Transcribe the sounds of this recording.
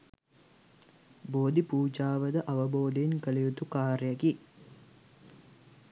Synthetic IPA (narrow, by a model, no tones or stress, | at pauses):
boːd̪ipuːd͡ʒaːʋəd̪əʔɐʋɐboːd̪enkəlejut̪ukaːɾjɐki